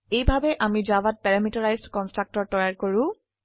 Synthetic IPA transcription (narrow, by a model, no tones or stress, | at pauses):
ejbʱabɛʔamid͡ʒawat̚pɛɹamitaɹajsdkɔnstɹak̚tɔɹ̚tɔjaɹkoɹʊ̃